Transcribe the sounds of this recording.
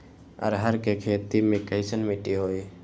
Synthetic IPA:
ə̰ɾɦəɾkekʰet̪imẽkəɪsənmiʈiɦoːi

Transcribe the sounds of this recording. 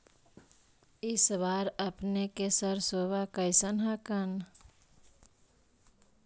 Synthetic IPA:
isbaɾəpnekesəɾsoβakəɪsənɦəkən

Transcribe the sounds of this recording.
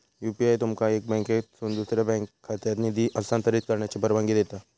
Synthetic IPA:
juːpiaːjt̪ʊmkaeːk̚bɛ̃ːŋkesʊnd̪uːsɾebɛ̃ːŋkhɐt̪jad̪nid̪iʔɐlsaːnt̪ɐɾit̪̚kɐɾnet͡ʃepɐɾʋãŋɡid̪eːt̪a

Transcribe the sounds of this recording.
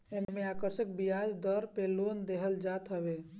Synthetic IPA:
emmeaːkəɾʃək̚bijad͡ʒd̪əɾpelond̪eɦəld͡ʒat̪ɦəbe

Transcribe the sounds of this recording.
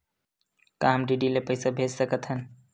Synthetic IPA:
kaːmɖiːɖiːleːpəːsaːbʱeːd͡ʒsəkət̪ʰɦən

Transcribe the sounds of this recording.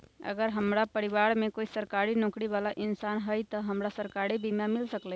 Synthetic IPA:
ɐ̰ɡəɾɦɐmɾapɐɾɪʋaːɾmẽkoːisɐɾkaːɾinɔ̃ːkɽiʋaːlaʔɪnsaːnɦəit̪ɐɦɐmɾasɐɾkaːɾibʱiːmjãmɪlsəkleː

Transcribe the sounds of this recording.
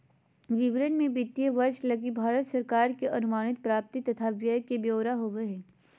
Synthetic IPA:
ʋɪʋɾənmẽbɪt̪ːijəʋɐɾʃlɐɡibʱaːɾət̪sɐɾkaːɾkeʔɐnʊmaːɽ̃ɪt̪̚pɾaːp̚t̪it̪ɐt̪ʰaʋjəjkebjoːɾaɦoʋeɦɛː

